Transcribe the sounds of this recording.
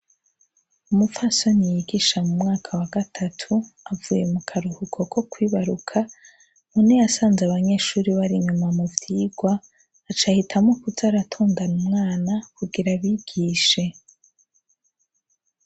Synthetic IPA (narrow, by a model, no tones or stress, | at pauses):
umufaso̞nijiɡiʃamumŋaːkʰawaɡatʰatʰuavuje̞mukʰaɾuhukʰo̞kʰo̞kwiːβaɾukʰa | munijasaːnzeaβaɲe̞ːʃuːɾiβaɾiɲumamuvjiːɡ̥waː | t͡ʃahitʰamŋokuzaɾatʰoːndanumŋaːnakuɡiɾaβiːɡ̥iːʃe̞